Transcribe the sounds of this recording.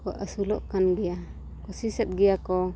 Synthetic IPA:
kɔʔasulɔʔkanɡia | kɔsisɛt̪̚ɡijakɔ

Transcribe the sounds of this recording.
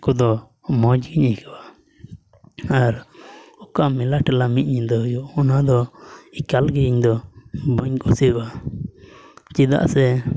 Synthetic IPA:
kɔd̪ɔ | mɔd͡ʒɡiɲikaba | aɾɔkamɛlaʈɛlamit̪̚ɲiɲd̪ɔjuɔnad̪ɔikalɡɛiɲd̪ɔbəɲkɔsiɾwa | t͡ʃid̪a̰ʔsɛ

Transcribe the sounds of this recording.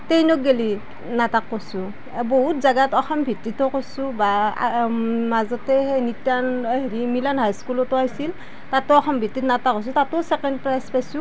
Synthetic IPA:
tejnɔk̚ɡeli | natakːosu | boɦutzaɡatɔxʰɔmbʱitːitɔkosuba | mazɔtɛenitanɦeɹimilanɦajskulɔtɔajsil | tatʊɔxʰɔmbʱitːitnatakɔs̬utatɔsɛkɛndpɹajspajsu

